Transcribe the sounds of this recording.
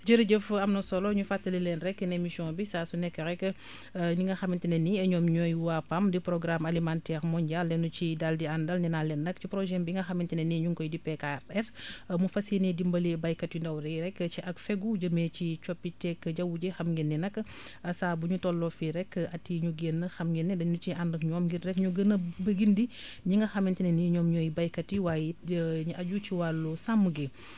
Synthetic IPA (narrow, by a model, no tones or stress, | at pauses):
d͡ʒəɾiɟəfɐmnɐsɔlɔɲufatːɐlilɛnɾɛkːənemisiɔ̃bisaːsunɛkːəɾɛkːə | niŋɡɐxɐmintineniɐɲɔːmɲɔːjwapɐmdipɾɔɡɾamalimantɛːɾmɔɲɟalːɛnut͡ʃidaldiandɐlɲinalɛnːɐkcipɾɔʒɛmbiŋɡɐxɐmintineniɲuŋkɔjdipɛkaɾɛrmufɐsinɛdimbɐlibɐjkɐtindɐwɾɛɾɛkːt͡ʃiʔɐkfɛɡuɟəmet͡ʃit͡ʃɔpːitɛkːɟɐwuɟɛxɐmɡenːinɐkː | ɐsaːbuɲutɔlːɔfiɾɛkːɐtːiɲuɡenːəxɐmɡinːɛdɐɲnut͡ʃiʔandɐkɲɔːmɡirɾɛkɲuɡənəbəɡindiɲiŋɡɐxɐmintinɛniɲɔːmɲɔjibɐjkɐtiwaːjiɲuʔɐɟut͡ʃiwalːusamːuɡi